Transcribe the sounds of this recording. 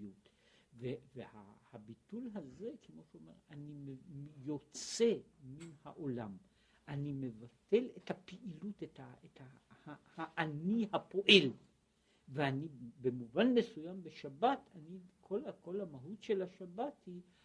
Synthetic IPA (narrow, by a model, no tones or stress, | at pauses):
ut | veveha̰habit̪ulɦaze̞kʰemo̞ʃeome̞̰ʁanimemjo̞t͡se̞minhaʔo̞lam | ʔanimevate̞lethapiʔilutethaetahhaʔanihapo̞ʔel | veanibemuvanmesujambeʃabatʰanikʰolako̞lamaɦutʃelaʃabathi